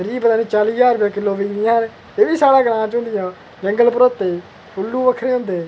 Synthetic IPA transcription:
ɾiːbət̪aːnĩːt͡ʃaːliːd͡ʒaːɾbjãːkɪlːoːʋiːɡɾɪjãːne | eːʋiːsaːɽaːɡəɽãːt͡ʃɦʊ̃nd̪ɪjãː | d͡ʒəŋɡəlpəɾoːt̪ːeː | pʊlːuːʋəkʰɾeːɦõːnd̪eː

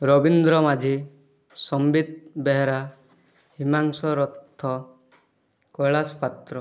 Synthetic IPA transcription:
ɾɔbind̪ɾɔmad͡ʒʱi | sɔmbit̪̚beɦɾa | himaŋsɔɾɔt̪ʰːɔ | kɔjɭaspat̪ɾɔ

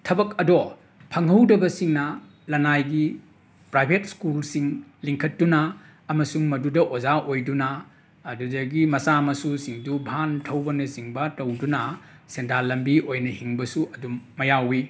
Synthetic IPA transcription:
tʰɐbɐkɐdo | pʰɐŋɦɐwdɐbɐsiŋnɐ | lɐnajɡi | pɾajbʱet̚skulsiŋliŋkʰɐtːunɐː | mɐsuŋmɐdudɐʔozaʔojdunɐː | dudɐɡimɐsamɐsusiŋdubʱantʰɐwbɐnɐsiŋbɐtɐwdunɐ | sentalɐmbiʔojnɐhiŋbɐsuʔɐdumːɐjawi

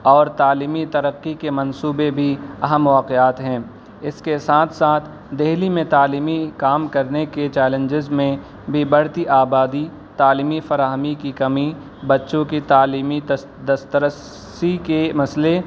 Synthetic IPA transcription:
ɔːɾt̪aːliːmit̪ɐɾəqːikemɐ̃nsuːbebʱiɐɦəmʋaːqeaːt̪ɦɛ̃ː | ɪskesaːt̪ʰsaːt̪ʰ | d̪eɦlimẽt̪aːliːmikaːmkɐɾneket͡ʃɛːlə̃ɲd͡ʒɪzmẽ | bʱibəɽt̪iʔaːbaːd̪i | t̪aːliːmifɐɾaːɦəmikikɐmi | bɐtːʃõkit̪aːliːmi | d̪ɐst̪əɾəs | ikemɐsle

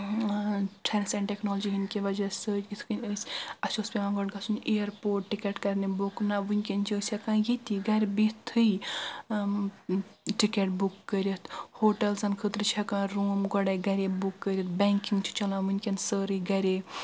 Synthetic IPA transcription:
ʈʰɛnsɛ̃ɳʈeknoːld͡ʒiɦinkeʋɐd͡ʒɐsəd͡ʒʲit̪ʰkɨnʲəsʲɐsospʲeãɡɔʈɡɐsʰunejɐɾpoːʈ̚ːikeʈkɐɾnebuknaʋunʲkʲent͡ʃʰiəsʲɐkãːjit̪iɡɐɾbit̪ʰɨj | ʈikeʈ̚bukːəɾʲit̪ʰhoːʈɐlsɐnkʰət̪ɾɨt͡ʃʰɐkãɾuːmɡɔɽajɡɐɾʲebukːəɾʲjɐt̪̚bɛŋkiŋɡt͡ʃʰi̥t͡ʃɐlãːʋunʲkʲensəɾɨɡɐɾʲe

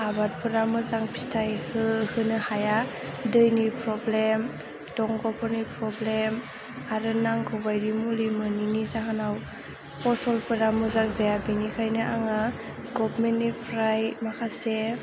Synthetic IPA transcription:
abat̚pʰɯɾamɯzaŋpʰi̥stʰajhɯhɯnɯhaja | dɯjnipʰɾɔblem | dɔŋɡɔpʰɔnipɾɔblem | aɾɯnaŋkʰɔbajɾimulimɯninizaɦanaw | pɔsɔlpɯɾamuzaŋzajabinikʰajnɯʔaŋa | ɡɔpmenːipʰɾajmakʰase

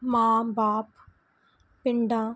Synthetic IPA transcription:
mãːbaːp | pɪɳɖãː

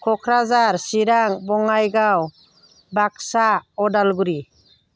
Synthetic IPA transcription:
kʰɔkʰɾazaɾsiɾaŋbɔŋajɡaw | bak̚saɔdalɡuɾi

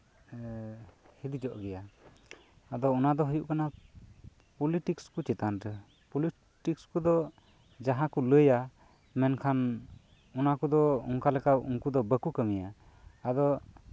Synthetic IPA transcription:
hid̪id͡ʒɔʔɡɛjaː | d̪ɔːnad̪ɔɦujuʔkana | pɔliʈikskut͡ʃɛt̪anɾə | pɔli | ʈikskud̪ɔ | d͡ʒaɦãkuləja | mɛnkʰan | ɔnakud̪ɔɔŋkalɛkapuŋkud̪ɔbəkukəmijaː | d̪ɔ

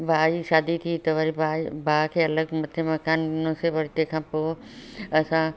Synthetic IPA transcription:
bʱaːiʃaːd̪it̪ʰit̪ɐʋɐɾibabʱaːkʰeːɐləɡmɐt̪ʰemɐkaːnɪnõseʋɐɾt̪ekʰãːpoː | ɐsã

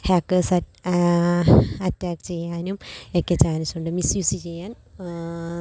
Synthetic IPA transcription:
haːkːɐːsɐ | ɐtːaːkt͡ɕe̞jːaːnumekːet͡ɕaːnɐsuɳɖɨmisjuːsit͡ɕe̞jːaːn

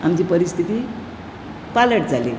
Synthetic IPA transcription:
amt͡ɕiːpəɾist̪ʰit̪i | paləʈd͡zalḭ

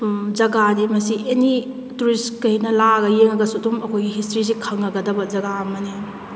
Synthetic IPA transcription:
d͡ʒɐɡadimɐsiʔeni | tuɾiskɐinɐlaɡɐjeŋɐɡɐsudumɐkʰojɡiɦistɾisikʰawnɐɡɐdɐbɐzɐɡaɐmɐni

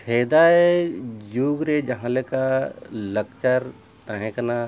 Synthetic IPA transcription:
sʰeːd̪aejuːɡɾed͡ʒɐɦãlekalɐkt͡ʃəɾ | t̪aɦẽkna

